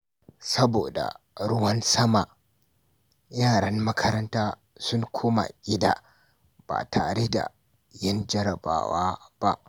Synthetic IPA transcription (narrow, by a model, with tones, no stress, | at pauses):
sɐ˦boː˨da̰˨ | ɽʊ˦wɐ˦nsɐ˦ma˨ | jaː˦˨ɽɐ˦ŋmɐ˦kʰɐ˦ɾɐ˦ntaː˦ | sʊ˦ŋkʷʰoː˦ma̰˨ʔʲɪ˦da̰ː˨ | b̥a̰ː˨tʰaː˨ɾe˦da̰˨ | jɐ˦nd͡ʒɐ˦ɾɐ˨ba̰ː˦waː˦b̥a˦ʔ